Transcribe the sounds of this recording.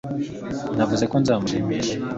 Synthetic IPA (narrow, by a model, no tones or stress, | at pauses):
navuze̞konzaːmuɾemeʃe